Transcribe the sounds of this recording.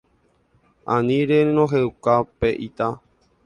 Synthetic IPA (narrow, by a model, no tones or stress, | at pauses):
ãnĩɾenõɦewkapeʔit̪a